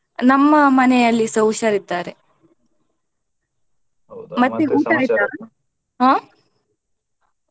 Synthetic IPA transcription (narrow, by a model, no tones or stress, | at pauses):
nɐmːɐmɐnɛjɐlːisɐwʂaɾit̪aːɾe | mɐt̪ːeuːʈaːjit̪aː | ɦãː